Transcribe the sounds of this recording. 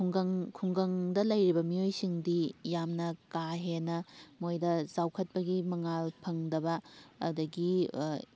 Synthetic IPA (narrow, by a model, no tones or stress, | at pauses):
kʰŋɡɐŋkʰuŋɡɐŋdɐlɐjɾibɐmijojsiŋdijamnɐkaɦenɐmojdɐzawkʰɐt̚pɐɡimɐŋalpʰɐŋdɐbɐːdɐɡi